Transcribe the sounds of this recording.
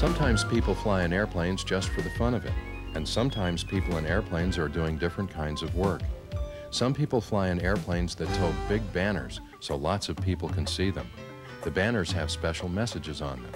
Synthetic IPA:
sʌ̃mtʰãɪ̃mz̥pʰipl̩ˠflaɪɨ̃nɛɹpʰl̥ẽɪ̃nzd͡ʒʌstfə˞ðɨfʌ̃ñʌvɨ̰ɾ | ɨ̃nsʌ̃mtʰãɪ̃mz̥pʰipl̩ˠə̃nɛɹpʰl̥ẽɪ̃nzə˞dʉɪ̃ŋdɪfɹɨ̃nkʰãɪ̃ndzʌvwɜ˞k | sʌ̃mpʰipl̩ˠflaɪɨ̃nɛɹpʰl̥ẽɪ̃nzðɨtʰoʊɡ̚bɪɡ̚bænə̰˞z̥ | soʊlɑtsʌv̥pʰipl̩ˠkʰɨ̃nsiðɨ̰̃m | ðɨbæ̃nə˞z̥ɨv̥spɛʃl̩ˠmɛsɨd͡ʒɨzn̩ðɨ̰̃m

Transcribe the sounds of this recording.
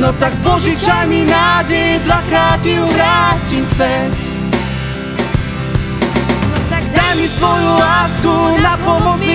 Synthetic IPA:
nɔt̪aɡbɔʑikʂamʲinad͡ʑejd̪lakɾafiuɾat͡ɕist̪ɛʃ | d̪amʲisfɔjɔ̃waskunapɔmɔt̪s

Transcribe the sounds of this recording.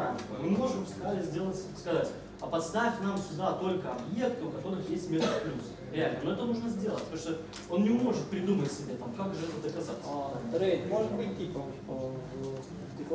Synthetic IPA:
anvə̰mɨmo̞ʐɨmst̪ɾalʲɪzʲdʲe̞lˠətʲskɐzatʲ | ɐpɐt̪st̪afʲnamsʲʊd̪at̪o̞lʲkəɐbje̞k̚t̪əʊkɐt̪o̞ɾɨxjesʲtʲmʲet̪əfplʲus | ɾʲɪalʲnəno̞ɛt̪ənuʐnəzʲdʲe̞lˠə̰t̚ʲpt̪oʂt̪o | o̞nnʲɪmo̞ʐɨt̪̚pɾʲɪd̪umətʲsʲɪbʲet̪amkakʐɨɛt̪əd̪əkɐzat̪sɾəjtʲmoʐɨt̪bɨt̚ʲtʲipə | t̪ʲɨ

